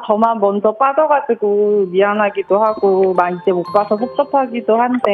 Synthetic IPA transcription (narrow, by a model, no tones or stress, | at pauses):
t͡ɕʌmanmʌnd͡ʑʌp͈adʌɡad͡ʑɯɡomiɦaŋɦaɡidohaɡomaid͡ʑ͈emok̚p͈asʰʌsʰok̚t͡ɕ͈ʌpʰaɡidohande